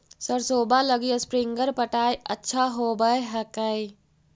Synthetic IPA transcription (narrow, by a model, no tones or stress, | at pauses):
səɾsoːbaləɡijespɾiŋɡəɾpəʈaːjətːʃʰaɦobəeɦəkəj